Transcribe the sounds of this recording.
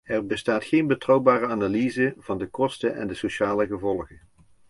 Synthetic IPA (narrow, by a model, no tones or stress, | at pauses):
ɛrbəstaːtxejnbətrɑwbaːrəaːnalizəv̥ɑndəkɔstəʔɛ̰ndəsoʃaːləɣəvɔlˠɣə